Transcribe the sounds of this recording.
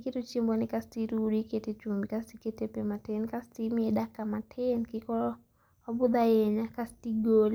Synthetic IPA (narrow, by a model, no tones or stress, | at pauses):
ikɛtut͡ʃimbwanikastiɾuɾikɛtɛt͡ʃumbikastikɛtɛpɛmatɛnkastimiɛɗakamatʰɛnkikɔlɔ | abuðajɛɲakastiɡɔli